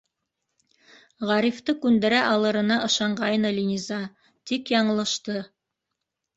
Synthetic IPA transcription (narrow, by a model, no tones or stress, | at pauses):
ʁɑɾift̪ɤkʉnd̪ɘ̆ɾæʔɑlˠɤ̆ɾɤ̆nɑʔɤ̆ʃɑɴɢɑjɤnɤlʲinʲizɑ | t̪ikjɑɴɤ̆lˠɤ̆ʃt̪ɤ